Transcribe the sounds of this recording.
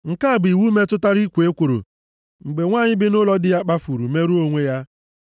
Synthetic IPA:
ŋ̩˨ka˦a˨bi˨wu˦me˦tʊ˦ta˦ɾi˦kʷe˦kʷo˨ɾo̰˨ | ŋ͡m̩˨ɡ͡be˨ŋʷaː˦˨ɲɪ˦bɪ˦nʊ˦lɔ˦dɪ˦ja˦k͡pa˦fu˨ɾu˨me˦ɾu˦o˦ŋʷe˦ja˦

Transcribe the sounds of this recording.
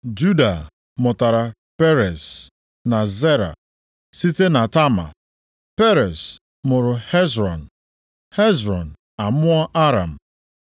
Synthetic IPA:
d͡ʒu˦da˨ | mʊ˨ta˨ɾa˨ | pe˦ɾe˨s | na˨ze˦ɾa̰˨ | si˦te˦na˨ta˦ma̰˨ | pe˦ɾe˨s | mʊ˨ɾʊ˨he˦zɾɔ˨n̩˨ | he˦zɾɔ˨n̩˨ | a˨mʊ˦ɔ˦ʔa˦ɾa˨m̩˨

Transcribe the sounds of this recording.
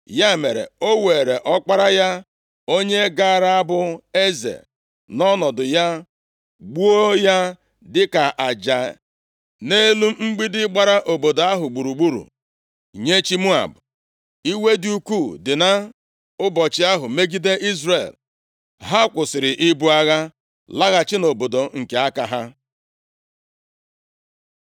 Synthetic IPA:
ja˦˨me˨ɾḛ˨o˦we˨ɾe˨ʔɔ˦k͡pa˦ɾa˦ja˦ | o˦ɲe˦ɡa˦˨ɾa˦a˦bʊ˦e˦zḛ˨ | nɔ˦nɔ˨dʊ˨ja˦ | ɡ͡bu˦o˦ja˦ | dɪ˦ka˨ʔa˨d͡ʒa˨ | ne˦lu˦m˦ŋ͡m̩˦ɡ͡bi˦dɪ˦ɡ͡ba˦ɾa˦ʔo˨bo˨da˦ɦʊ˨ɡ͡bu˨ɾu˨ɡ͡bu˦ɾṵ˨ | ɲe˦t͡ʃi˦mu˦a̰˨b | i˦we˦dɪ˦u˦ku˦˨dɪ˨na˦ | ʊ˦bɔ˨t͡ʃɪ˦a˦ɦʊ˨me˦ɡi˦de˦i˦zre˨l | ɦa˦kʷʊ˨sɪ˨ɾɪ˨ʔɪ˦bu˦a˦ɣa˦ | la˦ɣa˨t͡ʃɪ˦no˨bo˨do˨ŋ̩˨ke˨a˦ka˨ɦa˦

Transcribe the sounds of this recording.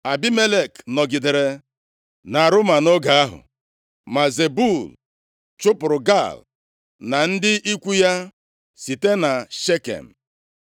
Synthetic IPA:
a˨bi˦me˦le˦˨knɔ˨ɡɪ˨de˨ɾe˨ | na˨ɾʊ˦ma˨no˦ɡa˨a˦ɦʊ̰˨ | ma˨ze˨bu˦˨l | t͡ʃʊ˦pʊ˨ɾʊ˨ɡa̰˦˨l | na˨n̩˦dɪ˦i˦kʷu˦ja˦ | si˨te˦na˨ʃe˦kḛ˨m̩˨

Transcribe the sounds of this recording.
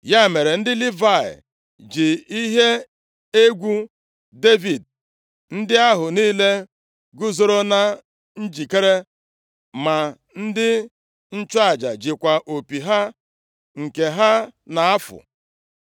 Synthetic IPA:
ja˦˨me˨ɾe˨n̩˦dɪ˦li˦va˦˨ɪ̰˨ | d͡ʒi˨i˦ɦe˦ | e˦ɡʷu˦ | de˦vi˨d̚ | n̩˦dɪ˦a˦ɦʊ˨niː˦le˦ | ɡʊ˦zo˦ɾo˦na˦ | n̩˦d͡ʒi˨ke˦ɾe˦ | ma˨ | n̩˦dɪ˦ | n̩˦t͡ʃʊ˦a˨d͡ʒa̰˨d͡ʒɪ˨kʷa˨ʔo˨pi˨ɦa˦ | ŋ̩˨ke˨ɦa˦na˨a˦fʊ̰˨

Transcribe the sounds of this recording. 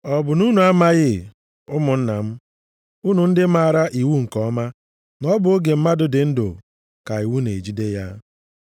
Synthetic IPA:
ɔ˨bʊ˨nu˦nu˨a˦ma˦ɣɪ˦˨ | ʊ˦mʊ˨n̩˦na˨m̩˦ | u˦nu˨n̩˦dɪ˦ma˨a˨ɾa˦ʔi˨wu˦ŋ̩˨kɔ˦ma˦ | nɔ˦bʊ˨o˦ɡe˨m̩˦ma˦dʊ˨dɪ˨n̩˦do̰˨ | ka˨i˨wu˦nḛ˨d͡ʒi˦de˦ja˦

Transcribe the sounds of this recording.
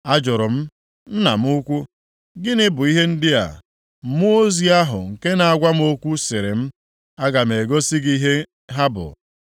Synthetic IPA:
a˦d͡ʒʊ˨ɾʊ˨m̩˦ | m̩˦na˨m̩˦ʊ˦kʷu˦ | ɡɪ˦nɪ˦bʊ˨i˦ɦe˦n̩˦dɪ˦a̰˨ | m̩˨˦mu˦o˦zi˨a˦ɦʊ̰˨ŋ̩˨ke˦na˨a˨ɡʷa˦m̩˦o˦kʷu˦sɪ˨ɾɪ˨m̩˦ | a˦ɡa˨m̩˨e˨ɡo˦si˦ɡi˦ɦe˦ | ɦa˦bʊ̰˨

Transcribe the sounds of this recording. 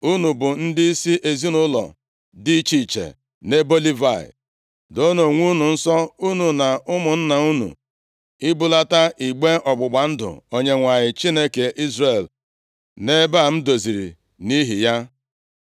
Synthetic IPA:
u˦nu˨bʊ˨n̩˦dɪ˦i˦si˦ʔe˨zi˦nʊ˦lɔ̰˨ | di˦t͡ʃi˦˨t͡ʃḛ˨ | ne˦bo˦li˦va˦˨ɪ̰˨ | do˦no˨ŋʷu˦nu˨n̩˦sɔ˦u˦nu˨na˨ʊ˦mʊ˨n̩˦na˨u˦nṵ˨ | ɪ˦bʊ˦la˦ta˦ʔi˨ɡ͡be˦ɔ˨ɡ͡bʊ˨ɡ͡ba˨n̩˦dʊ̰˨o˦ɲe˦ŋʷa˨ɲɪ˨t͡ʃi˦ne˦ke˨ʔi˦zre˨l | ne˦ba˦˨m̩˦do˨zi˨ɾḭ˨ | ni˦ɦi˨ja˦

